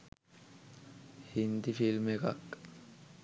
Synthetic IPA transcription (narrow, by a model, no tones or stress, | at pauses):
hind̪ifilmekakː